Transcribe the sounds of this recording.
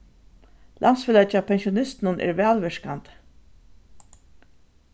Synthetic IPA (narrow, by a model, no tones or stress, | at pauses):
lʔansfɪlɛt͡ʃapʰɛnʃiʊnɪst̪nʊnʔɛ̰ːɹʋɛːlʋɪʂkant̪